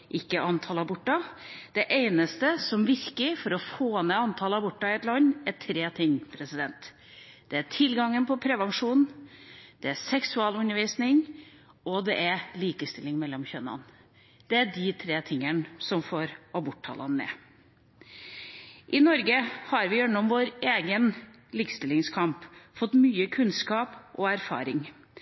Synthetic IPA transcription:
ʔɪkːəʔɑnt̪ʰɑlɑbɔʈːɑd̪̥ɛʔeɪnəst̪əsɔmʋɪɾkəfɔɾɔfoːnɛɑnt̪ʰɑːlɑbɔʈːɑɪɛt̪lɑnːæʈʰɾeːt̪ʰɪŋːpʰɾɛsɪd̪ɛnt̪ | d̪̥ɛæʈʰɪlɡɑŋːənpʰɔpʰɾɛʋɑnʂuːn | d̪̥ɛæsɛksʉɑːlʉnːəɾʋiːsnɪŋ | ɔd̪ɛʔæɾliːkəst̪ɪlːɪŋmɛlːɔmçœnːɑ̰n | d̪̥ɛæɖɪt̪ʰɾeːt̪ʰɪŋːənsɔmfoːɾɑbʊʈʰːɑ̰ləɑnːɛ̰ː | ʔɪnɔɾɡəhɑɾʋɪjɛnːɔmʋoːɾeːɡən | liːkə̥st̪ɪlɪŋskʰɑmpfɔt̪myːəkʰʉnskɑːpʔɔæɾfɑ̰ːɾɪŋ

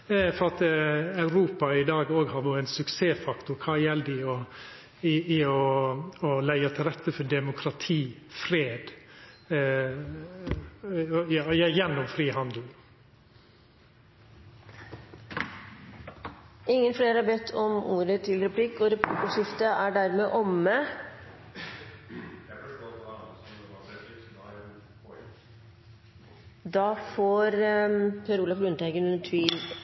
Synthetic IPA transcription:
fɔɾɑt̪ɑʉɾuːpɑɪd̪ɑːɡoːɡhɑɾʋʊːɛɪnsʉkseːfɑkt̪ʊɾkʰɑːjɛlːd̪ɪɔ | ɪɪɔɔlæɪɑt̪ʰɪlɾɛt̪ːəfɔd̪ɛmʊkʰɾɑt̪ʰiːfɾeːd̪ | jɑːjæjɛnːɔmfɾiːhɑnd̪l | ɪŋːənfleːɾəɑbɛt̪ʰːɔmuːɾət̪ʰɪlɾɛpʰlɪkːɔɾɛp̪ʰuːt̪əʂɪft̪əæɖæɾmeːʔɔmːə | d̪ɑːfoːɾpʰøɾuːlɑflʉnt̪æɪɡənʉnːətʰʋiːl

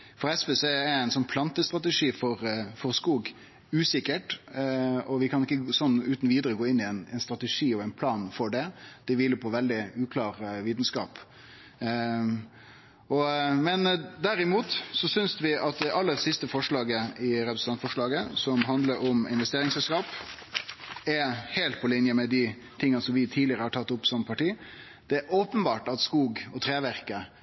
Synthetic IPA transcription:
fɔɾɛspɛsɛɛæɪnsɔnːpʰlɑnt̪əst̪ɾɑt̪ɛʂiːfɔɾfɔɾskuːɡ | ʉːsɪkːəʈ | ɔʋɪkʰɑnɪkːəsɔnːʉːt̪nɔʋiːd̪əɾəɡoːɪnːɪɛnɛɪnst̪ɾɑt̪əʂiːɔæɪnpʰlɑːnfɔɖɛd̪̥ɛʋiːlːəpʰɔʋɛld̪ɪʉːkʰlɑːɾʋiːt̪nskɑ̰ːp | ʔɔmɛnd̪æɾɪmuːt̪sɔsʏnsʋɪʔɑt̪̚d̪ɛʔɑlːəɾsɪst̪əfɔʂlɑːɡəɪɾɛpɾsn̩ɑnfɔʂlɑːɡəsɔmɦɑnd̪ləɾɔmɪ̰nʋɛst̪eːɾɪŋsɛlskɑːp | ɛɾheːlt̪̚pʰɔlɪnjəmɛd̪ɪ | t̪ʰɪŋːɑnsɔmʋɪt̪ʰiːd̪lɪəɾəhɑʈʰɑt̪ːʊpːsɔmpʰɑʈiː | d̪̥ɛæɾoːpənbɑːʈɑt̪skuːɡɔt̪ʰɾeːʋæɾkə

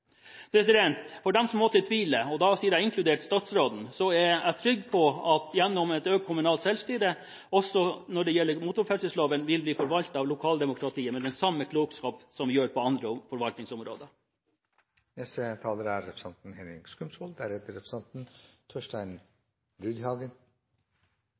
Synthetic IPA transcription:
pʰɾɛsɪd̪ɛnt̪fɔɖɛmsɔmːoːt̪ət̪ʰʋiːləɔd̪ɑsiːəɾæɪɪŋkʰlʉd̪eːʈst̪ɑːt̪sɾoːd̪n̩sɔæɾæt̪ʰɾʏɡːpʰɔɑt̪jɛnːɔmɛt̪øːɡ̪kʰʊmʉnɑːlt̪sɛlst̪yɾə | ɔsɔnɔɖɛjɛlːəɾmuːt̪ʊɾfɛsəsloːʋənʋɪlbliːfɔɾʋɑlt̪ɑːʋlʊkʰɑːld̪ɛmʊkʰɾɑt̪iːəmɛd̪ɛnsɑmːəkʰloːɡskɑːpsɔmjøːɾpɔɑnd̪ɾəfɔɾʋɑlt̪nɪŋsʊmɾo̰ːd̪ə | nɛsət̪ʰɑːləɾæɾːɛpɾəsɑnt̪n̩hɛnɪ̰ɡskʉmsɔld̪æɾhɛt̪əɾɛpɾsɑnt̪n̩t̪ʰøʂʈæɪn | ɾʉːd̪hɑːɡən

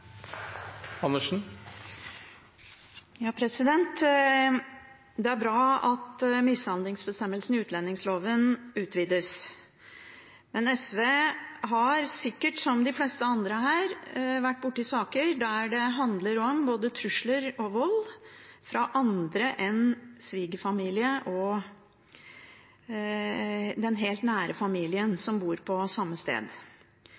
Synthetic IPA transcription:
ɑnːəʂn̩ | jɑːpʰɾɛsɪd̪ɛnt̪ | d̪ɛæɾbɾɑːɑt̪mɪshɑnlɪŋsbəst̪ɛmːəlsn̩ɪʉːt̪lɛnːɪŋsloːʋənʉːt̪ʰʋiːd̪əs | mɛnɛsʋeːɦɑɾsɪkːəʈsɔmd̪ɪflɛst̪əɑnd̪ɾəɦæːɾʋæʈːbʊʈːəɪsɑːkəɾɖ̪æɖɛɦɑnd̪ləɾɔmboːd̪ət̪ʰɾʉʂɭəɾɔʋɔlfɾɑʔɑnd̪ɾəʔɛnsʋiːɡəfɑmiːlɪəʔɔ | d̪ɛnɦeːlt̪næːɾəfɑmiːlɪənsɔmbuːɾpʰɔsɑmːəst̪ḛːd̪

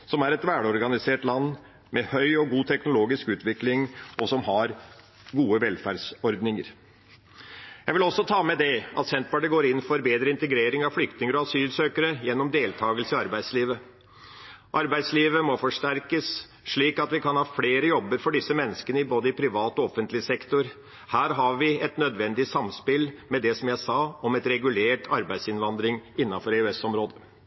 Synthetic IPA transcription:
sɔmæɾɛt̪ʋæːɽɔɾɡɑnɪseːʈlɑnː | mʔɛhœʏɔɡuːt̪ʰɛknʊloːɡɪskʉːt̪ʋɪklɪŋʔɔsɔmhɑɾ | ɡuːəʋɛlfæɖsɔɾd̪nɪŋəɾ | jæɪʋɪlɔsːɔt̪ʰɑːmɛd̪ɛʔɑ̰t̪sɛnt̪pɑɖəɡoːɾɪnːfɔɾbeːd̪ɾəɪnt̪əɡɾeːɾɪŋɑʋflʏkt̪ɪŋəɾɔɑsyːlsøːkəɾəjɛnːɔmd̪eːlt̪ʰɑːɡəlsəɑɾbæɪd̪sliːʋə | ʔɑɾbæɪsliːʋəmɔfɔʂʈæɾkəs | ʂɭiːkɑt̪ʋɪkɑnhɑːfleːɾəjɔbːəɾfɔɖɪsːəmɛnːəskənəɪboːd̪əɪpʰɾɪʋɑːt̪ɔɔfənt̪lɪsɛkt̪ʊɾ | hæːɾɦɑɾʋɪɛt̪nœd̪ʋɛnd̪ɪsɑmspɪlmɛd̪ɛsɔmjæɪsɑɔmɛt̪ɾɛɡʉleːʈʰɑɾbæɪd̪sɪnʋɑnd̪ɾɪŋɪnːɑnfɔɾɛʉɛsɔmɾoːd̪ə

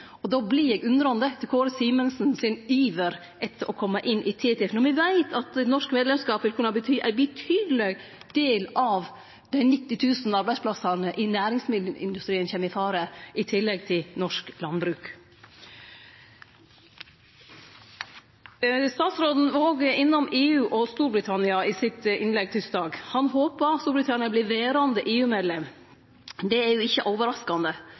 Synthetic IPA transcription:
ɔd̪oːbliɛːɡʉnd̪ɾɔɑnd̪ət̪ʰɪlkʰoːɾsiːmənsn̩sɪnyːʋəɾ | ʔɛt̪ʰːəɾʔɔkʰɔmːəʔɪnʔɪt̪ʰiːt̪ʰɪfnɔɾʋɪʋæɪt̪ʰɑt̪ɛnɔʂkmeːd̪lɛmskɑːpʋɪlkʰʉnəhɑːbət̪ʰyːʔæ̰ɪbət̪ʰyːd̪lɛɡd̪̥eːlɑʋ | d̪̥æɪnɪt̪ːɪt̪ʰʉːsnɑɾbæɪspʰlɑsɑɾnəʔɪnæːɾɪŋsmɪd̪ʔɪ̰nd̪ʉst̪ɾiːənçɛːmɪfɑːɾəʔɪt̪ʰɪlːɛɡt̪ʰɪlnɔʂklɑnbɾʉːk | st̪ɑːt̪sɾoːd̪n̩ʋɑoːɡɪnːɔmeːʉːʔɔst̪uːɾbɾɪt̪ʰɑnɪɑɪsɪt̪ɪnlɛɡ̚t̪ʰʏsd̪ɑːɡhɑnɦoːpɑst̪uːɾbɾɪt̪ʰɑnɪɑblɪʋeːɾɑnd̪əʔeːʉːmeːd̪lɛm | d̪ɛæɾjʊɪçəʔoːʋəɾɑskɑnd̪ə

